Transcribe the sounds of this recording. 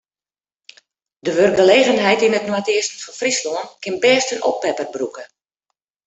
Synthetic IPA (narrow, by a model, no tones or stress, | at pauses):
dəʋørɡəleːɣənɦɛjtinətnwatɪəstənfɑnfrislɔːənkɪnbɛːstənʔopːɛpərbrukə